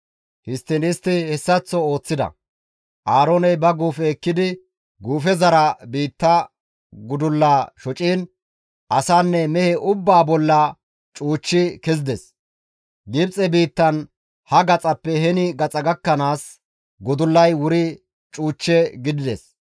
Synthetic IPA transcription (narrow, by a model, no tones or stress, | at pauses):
hɪst̪ːɪnɪst̪ːɪhɛsːɐt͡sːɔo̞ːt͡sːɪd̪ɐ̰ | ʔaːɾoːnɛjbɐɡuːfɛːkːɪd̪ɪ | ɡuːfɛzɐɾɐbiːt̪ːɐ | ɡʊd̪ʊlːaːʃɔt͡ʃʼiːn | ʔɐsaːnːɛmɛhɛʔʊbːaːbɔlːɐ | t͡ʃʼuːt͡ʃːɪkɛzɪd̪ɛs | ɡɪbt͡sʼɛbiːt̪ːɐn | hɐɡɐt͡sʼɐpːɛhɛnɪɡɐt͡sʼɐɡɐkːɐnaːs | ɡʊd̪ʊlːɐjwʊɾɪ | t͡ʃʼuːt͡ʃːɛɡɪd̪ɪd̪ɛ̰s